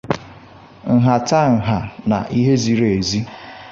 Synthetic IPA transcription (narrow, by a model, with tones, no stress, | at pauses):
ŋ̩˨ɦa˨ta˦ŋ̩˨ɦa˨na̰˨ʔi˦ɦe˦zi˨ɾe˨e˨zi˦